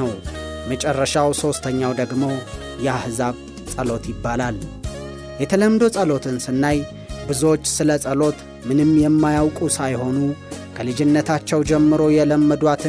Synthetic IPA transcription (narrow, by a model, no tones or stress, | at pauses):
əwmət͡ʃʼɛrːəʃawso̞st̪ʰəɲːawd̪əɡmo̞ | jɛahzaβ | t͡sʼəlo̞t̪jɪbːalal | jɛt̪ʰələmd̪o̞sʼəlo̞t̪ʰɨnsɨnːaj | bɨzo̞t͡ʃːsɨləsʼəlo̞t̪ | mɨnɨmjɛmːajawkʼusajho̞nukʰəlɨd͡ʒɪnːət̪ʰat͡ʃːɛwd͡ʒɛmːɨɾo̞jɛləmːəd̪wat̪ʰɨ